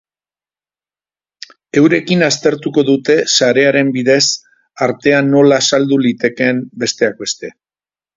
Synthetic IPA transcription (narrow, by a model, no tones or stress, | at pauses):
e̞wɾe̞kinast̪e̞ɾt̪uko̞ðut̪e̞saɾe̞aɾe̞mbiðe̞s | aɾt̪e̞anːo̞laːsald̪ulit̪e̞ke̞mbe̞st̪e̞ak̚be̞st̪e̞